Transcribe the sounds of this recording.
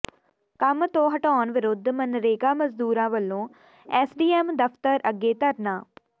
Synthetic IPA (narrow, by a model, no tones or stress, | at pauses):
kəmt̪õːɦəʈɔːnʋɪɾʊd̪ʱmənɾeːkaːməzd̪uːɾãːʋəlːõː | ɛːsɖiːɛːmd̪əfʰt̪əɾəɡːeːt̪əɾnaː